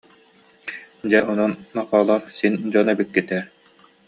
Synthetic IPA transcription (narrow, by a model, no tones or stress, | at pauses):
d͡ʑɛʔɔnɔnːaχɔːlˠaɾsind͡ʑɔnɛbikːit̪ɛɾ